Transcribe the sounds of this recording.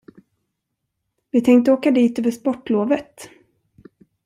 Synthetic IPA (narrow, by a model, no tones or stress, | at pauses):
vɪt̪ʰɛŋk̚t̪əoːkad̪iːt̪øːvəʂpɔʈːloːvət̪